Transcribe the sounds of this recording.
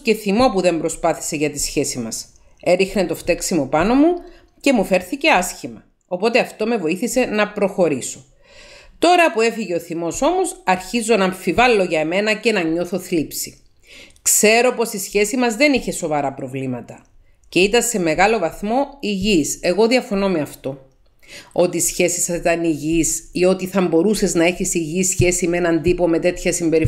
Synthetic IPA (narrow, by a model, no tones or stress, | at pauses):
ce̞θimo̞puðe̞mbɾo̞spɐθi̥se̞ʝɐt̪isçe̞simɐs | e̞ɾixnet̪o̞ft̪e̞ksimo̞pɐno̞mu | ce̞mufe̞ɾθice̞ɐsçimɐ | opo̞t̪e̞ɐft̪o̞me̞vo̞iθise̞nɐpɾo̞xo̞ɾiso̞ | t̪o̞ɾɐpue̞fiʝe̞oθimo̞so̞mo̞sɐɾçizo̞nɐːɱfivɐlːo̞ʝɐeme̞nɐce̞nɐɲo̞θo̞θlipsi | kse̞ɾo̞po̞sisçe̞simɐzðe̞niçe̞so̞vɐɾɐpɾo̞vlimɐt̪ɐ | ce̞it̪ɐse̞me̞ɣɐlo̞vɐθmo̞iʝise̞ɣo̞ðiɐfo̞no̞me̞ɐft̪o̞ | o̞t̪iːsçe̞sisɐsit̪ɐniʝisio̞t̪iθɐmbo̞ɾuse̞znɐe̞çisiʝisçe̞simee̞nɐnd̪ipo̞me̞t̪e̞t̪çɐsimbe̞ɾi